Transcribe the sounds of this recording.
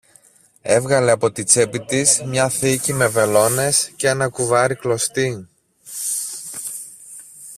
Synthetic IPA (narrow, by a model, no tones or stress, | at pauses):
e̞vɣɐle̞ɐpo̞t̪it͡se̞pit̪izmɲɐθicime̞ve̞lo̞ne̞sceenɐkuvɐɾiklo̞st̪i